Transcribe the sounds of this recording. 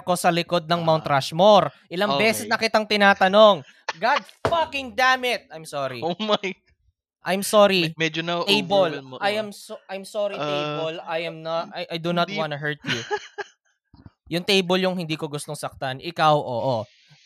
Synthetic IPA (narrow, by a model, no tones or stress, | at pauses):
ko̞sɐlɪko̞d̪̚nɐŋmawnt̪ɾaʃmoɾʔɪlɐŋbɛːsɛsnɐkɪt̪aŋt̪ɪnaːt̪ɐno̞ŋ | ɡad̪̚fɐkɪŋd̪aːmɪt̪̚ajmsoɾiomaj | ʔajmsoɾimɛd͡ʒonat̪ejbolʔɐjɐmsʔajmsoɾit̪ejolɐjɐmnɐt̪ajʔajd̪unɐt̪̚wãnʊɦɛɹt̪ju | jʊŋt̪ejboljʊŋhɪnd̪iːkoɡʊst̪oŋsɐk̚t̪anʔɪkɐwʔo̰ːʔo